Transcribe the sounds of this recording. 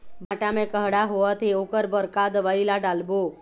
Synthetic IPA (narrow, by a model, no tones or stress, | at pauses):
bʱaʈamẽkəɦɽaɦoət̪eokəɾbəɾkad̪əʋailaɖalbo